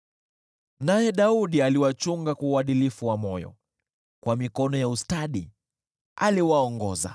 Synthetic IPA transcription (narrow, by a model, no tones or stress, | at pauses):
najɛɗauɗialiwat͡ʃuŋɡakwauaɗilifuwamɔjɔ̰ | kwamikɔnɔjaustaɗi | a̰liwaɔŋɡɔ̰za̰